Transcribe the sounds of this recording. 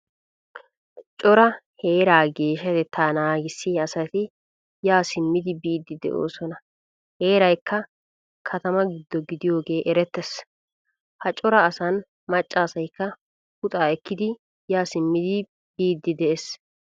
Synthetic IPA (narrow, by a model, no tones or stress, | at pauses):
t͡ʃʼɔɾɐhe̞ːɾaːɡe̞ːʃɐt̪ɛt̪ːaːnaːɡɪsːɪɐsɐt̪ɪ | jaːsɪmːɪd̪ɪbiːd̪ːɪd̪ɛ̰ʔo̞̰ːsɔnɐ | he̞ːɾɐjkːɐ | kʰɐt̪ɐmɐɡɪd̪ːɔɡɪd̪ɪjo̞ːɡe̞ːʔɛɾɛt̪ːɛs | hɐt͡ʃʼɔɾɐːsɐn | mɐt͡ʃʼːaːsɐjkːɐ | hʊt̪ʼaːɛkːɪd̪ɪ | jaːsɪmːɪd̪ɪ | b̥iːd̪ːɪd̪ɛʔes